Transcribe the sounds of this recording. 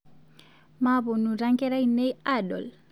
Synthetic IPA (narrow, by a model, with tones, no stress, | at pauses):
mabo˨nu˨ɾa˦ŋkɛ˦ɾa˦ine˦jadɔ̰˨l